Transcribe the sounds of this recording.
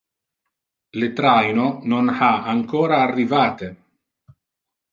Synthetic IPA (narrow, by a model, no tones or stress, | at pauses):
let̪ɾajnononaaŋkoːɾaːrːivaːt̪e